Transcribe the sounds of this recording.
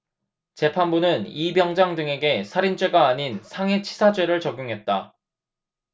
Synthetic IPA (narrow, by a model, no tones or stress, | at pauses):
t͡ɕe̞pʰanbunɯnibjʌŋd͡ʑaŋdɯŋe̞ɡe̞sʰaɾint͡ɕ͈ʰwe̞ɡaːɲinsʰaŋe̞t͡ɕʰi̥sʰad͡ʑwe̞ɾɯɭt͡ɕʌɡjuŋɦe̞t̚t͈a